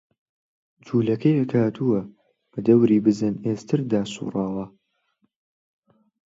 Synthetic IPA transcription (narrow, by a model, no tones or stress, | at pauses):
d͡ʒʰuːlɐkʰɐjɐkʰaːt̪ʰuwɐ | b̥ɐd̪ɐwɾiːbɨzɨneːst̪ʰɨɾd̪aːsṵːrˤɑːwɐ